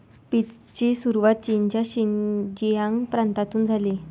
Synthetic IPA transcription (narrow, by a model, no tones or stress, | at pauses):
pit͡s | t͡ɕesuɾuʋat̪̚t͡ɕint͡ɕjaɕind͡ʑijãŋpɾãnt̪at̪uːnd͡zʱale